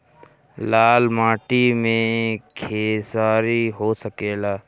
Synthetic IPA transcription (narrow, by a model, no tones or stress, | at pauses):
laːlmaːʈimẽkʰeːsaːɾiɦosəkeːlaː